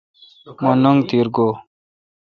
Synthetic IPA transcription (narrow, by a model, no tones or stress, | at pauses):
monuŋɡt̪iːɾɡoː